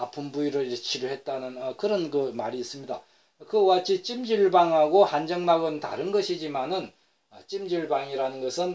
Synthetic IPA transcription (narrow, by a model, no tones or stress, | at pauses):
apʰɯmbuiɾɯɭit͡ɕʰiɾoɦe̞t̚t͈anɯnʌkɯɾʌnkɯma̰ɾiːs͈ɯmɲida | kɯwat͡ɕʰit͡ɕ͈imd͡ʑiɭbaŋɦaɡohand͡ʑʌŋmaɡɯnta̰ɾɯnɡʌɕʰid͡ʑimanɯn | ʌt͡ɕ͈imd͡ʑiɭbaŋiɾanɯnɡʌsʰɯn